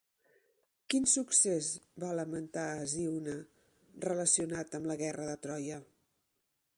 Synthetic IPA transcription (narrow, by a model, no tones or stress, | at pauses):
kinsuksezβaləmənt̪aːziwnə | rələsiunat̪əmləɣɛrəðət̪ɾɔjə